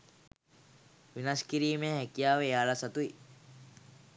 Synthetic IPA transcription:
ʋinaskiɾiːmeɦekijaːʋeaːlasat̪ui

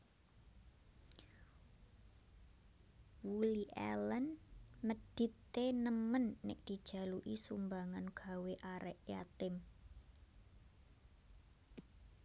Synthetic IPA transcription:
wuliʔɛ̰lənməd̥i̤p̪ | enəmənːɪ̰ʔd̪̥i̤d̥ʒ̥ä̤luʔisṵmbaŋanɡ̥a̤weʔaɾɛʔjat̪ɪm

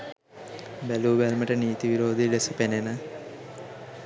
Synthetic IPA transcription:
beluːbelmɐʈɐniːt̪iʋiɾoːd̪iɖesɐpenenɐ

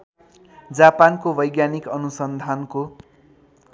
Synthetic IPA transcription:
d͡zapankobʌjɡjanikʌnusʌnd̪ʱanko

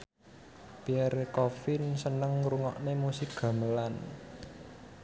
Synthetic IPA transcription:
piɛrkɔfɪnsənəŋruŋɔ̰ʔnemusɪk̚ɡ̥ä̤məlan

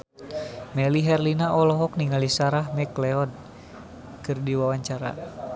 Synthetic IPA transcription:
mɛliɦɛrlinaʔɔlɔɦɔk̚niŋalisaɾahmɛklɛɔd̚ | kɨrdiwawaɲt͡ʃaɾa̰

